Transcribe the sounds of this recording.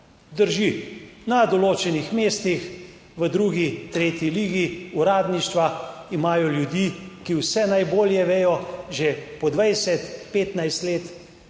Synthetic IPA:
d̪əɾʒinad̪ɔloːt͡ʃɛnixmeːst̪ix | ʋəd̪ɾuːɡit̪ɾeːt̪jiliːɡiuɾaːd̪niʃt̪ʋaimaːjɔljud̪jiːkiwsɛnajboːljɛʋeːjɔʒepɔd̪ʋajsɛt̪peːt̪najst̪leːt̪

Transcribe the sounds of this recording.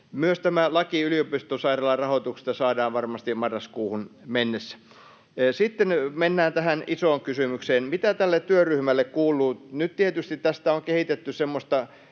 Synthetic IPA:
myøst̪æmælɑkiyliopist̪osɑirɑlːɑrɑhot̪ukse̥st̪ɑsɑːdɑːʋʋɑrmɑst̪imɑrːɑskuːhunmenːesːæ̥ | sit̪ːenmenːæːnt̪æhænisoːŋkysymykseːnmit̪æt̪ælːet̪t̪yøryhmælːekkuːlˑuːnyt̪t̪iet̪yst̪it̪t̪æst̪æoŋkehit̪et̪ːysemːost̪ɑ

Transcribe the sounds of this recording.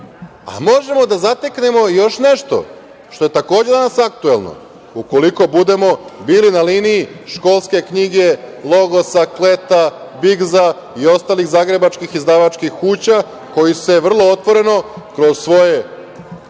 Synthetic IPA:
a̰mo̞ʒe̞mo̞d̪azat̪ekne̞mo̞jo̞ʃne̞ʃt̪o̞̰ | ʃt̪o̞je̞t̪ako̞ːd͡ʑe̞d̪anasakt̪ue̞lˠno̞̰ | uko̞liko̞bud̪e̞mo̞biːlinaliːniiʃko̞lˠske̞kɲiɡe̞lˠo̞ɡo̞saklet̪a | biɡza | io̞st̪aːlixzaːɡɾe̞bat͡ʃkixizd̪aʋat͡ʃkixkuːt͡ɕa | ko̞jise̞ʋr̩lˠo̞ot̪ʋo̞ɾe̞no̞kɾo̞zsʋo̞je̞

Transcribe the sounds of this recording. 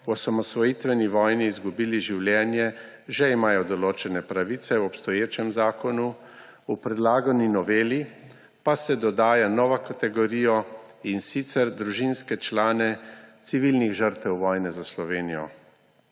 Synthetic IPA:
wɔsamɔsʋɔjit̪ʋɛniʋɔːjniːzɡubiːliʒiwljɛːnjɛ | ʒɛimaːjɔd̪ɔloːt͡ʃɛnɛpɾaʋit̪sɛwɔpst̪ɔjeːt͡ʃɛmzaːkɔnu | upɾɛd̪laːɡɔninɔʋeːli | pasɛd̪ɔd̪aːjanɔːʋakat̪ɛɡɔɾijɔinsit̪sɛɾd̪ɾuʒinskɛt͡ʃlaːnɛt̪siʋilniɣʒəɾt̪ɛwʋɔːjnɛzaslɔʋeːnijɔ̰

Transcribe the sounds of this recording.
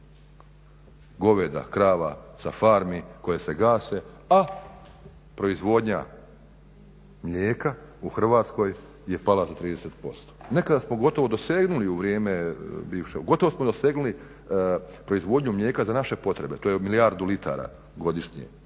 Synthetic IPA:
ɡo̞ʋed̪a̰kɾaːʋasafaːɾmiko̞jese̞ɡaːse̞ | a | pɾo̞izʋo̞d̪ɲa | mʎeːkauxr̩ʋaːt̪sko̞j | je̞palazat̪ɾiːd̪eset̪̚po̞̰st̪o̥ne̞kad̪asmo̞ɡo̞t̪o̞ʋo̞d̪o̞seːɡnuliuʋɾijeːmebiːʋʃeɡo̞t̪oʋosmo̞d̪oseːɡnuli | pɾo̞izʋo̞ːd̪ɲumʎe̞ːkazanaʃe̞po̞t̪ɾe̞be̞t̪o̞ːjemiliaɾd̪ulit̪a̰ɾa̰ | ɡo̞d̪iʃɲḛ

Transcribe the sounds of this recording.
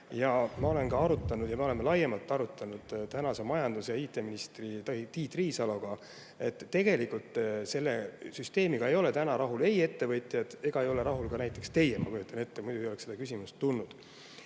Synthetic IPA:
jɑmɑo̞le̞nkɑɑɾut̪ːˑɑnud̪̥jɑmeo̞lemelɑjemɑlt̪ˑːɑɾut̪ːˑɑnud̪̥t̪ænɑsemɑjɑnd̪̥usjɑiːt̪ːˑe̞minist̪rit̪t̪iːt̪riːsɑlo̞ɡ̥ɑ | e̞t̪ːe̞ɡ̥e̞likult̪ˑːse̞lːe̞syst̪e̞ːmiɡ̥ɑe̞jo̞le̞t̪ænɑɾɑɦule̞je̞t̪ːe̞vɤ̞t̪ˑjɑd̪̥e̞ɡ̥ɑe̞jo̞le̞ɾɑɦulkɑnæjt̪ːˑe̞kst̪e̞jemɑ̰kyjut̪ːˑɑne̞t̪ːemujd̪uɡio̞ekse̥ɑkys̬ʲimust̪ːunːud̪̥

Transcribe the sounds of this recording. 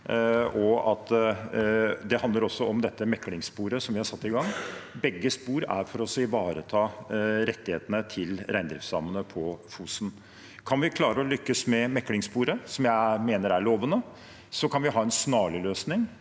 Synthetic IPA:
ɔɑt̪ | d̪ɛhɑnd̪əɾɔsːɔɔmd̪ɛt̪ːəmɛkːlɪŋspuːɾəsɔmʋɪhɑɾʂsɑt̪ːɪɡɑŋːbɛɡːəspuːɾæ̰ɾfɔɾɔsːɔɪʋɑːɾət̪ʰɑːɾɛt̪ːɪheːt̪ənət̪ʰɪlɾæɪnd̪ɾɪfsɑmənəpʰɔfuːsn | kʰɑnʋɪkʰlɑːɾəɔlʏkːəsmɛmɛkːlɪŋspuːɾəsɔmjæɪmeːnəɾæɭoːʋənə | sɔkʰɑnʋɪɦɑːɛnsnɑːləløːsnɪŋ

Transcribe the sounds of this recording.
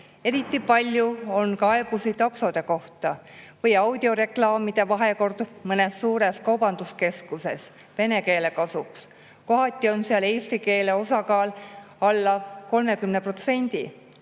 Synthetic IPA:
e̞ɾit̪ˑːipɑlʲjuo̞nkɑe̞b̥usit̪ɑkso̞d̪̥e̞ko̞ht̪ɑvɤjɑwd̪̥ʲio̞ɾe̞klɑːmid̪̥e̞vɑɦe̞ko̞rd̪̥umɤnesːuːɾe̞skɑwbɑnd̪uske̞skuse̞s | pe̞ne̞ke̞ːle̞kɑsuks | ko̞ɦɑt̪ʲːˑio̞nseɑle̞ːsɾike̞ːle̞o̞sɑkɑːl | ɑlːɑko̞lme̞kymnepro̞t̪se̞nʲd̪̥i

